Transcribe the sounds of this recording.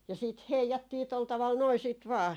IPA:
jɑ siːt heijɑtːiː tol tɑʋɑl noi siːt ʋɑː

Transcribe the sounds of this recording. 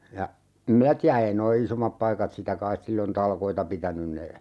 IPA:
jɑ em minæ tiæ ei noi isomːɑp pɑikɑt sitæ kɑis silːon tɑlkoitɑ pitænyn ne

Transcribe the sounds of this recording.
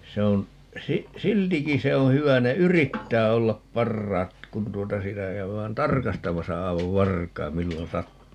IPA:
se on si siltiki se õː hyʋæ ne yritːæː olːɑp pɑrːɑːt kun tuotɑ sitæ kæyʋæːn tɑrkɑstɑmɑsɑ ɑi̯ʋɑʋ ʋɑrkɑi̯m milːon sɑtːuː

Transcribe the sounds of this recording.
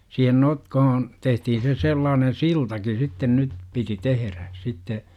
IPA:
siːhen notkohon tehtihin se selːɑːnen siltɑki sitːen nyt piti teheræ sitːe

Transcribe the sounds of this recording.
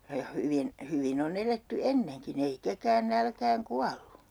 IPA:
jɑ hyʋin hyʋin on eletːy enːeŋkin ei ketæːn nælkæːŋ kuɑlːu

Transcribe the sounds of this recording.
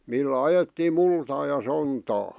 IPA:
milːæ ɑjetːiːm̆ multɑː jɑ sontɑː

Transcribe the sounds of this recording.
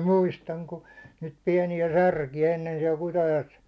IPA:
muistɑŋ ku niːt piɛniæ særkiæ enːen siɛl kutɑjoes

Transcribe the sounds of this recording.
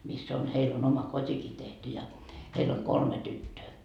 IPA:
misː on heil on omɑ kotʲiki tehty jɑ heil oŋ kolme tytːøː

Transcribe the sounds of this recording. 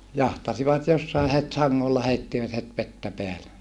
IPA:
jɑhtɑsiʋɑt josːɑe het sɑŋːolːɑ heitːiʋæt het ʋetːæ peæle

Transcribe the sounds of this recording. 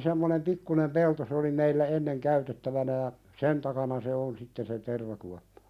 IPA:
semːonem pikːunem pelto se oli meilːæ enːeŋ kæytetːæʋænæ jɑ sen tɑkɑnɑ se on sitːen se terʋɑkuɑpːɑ̥

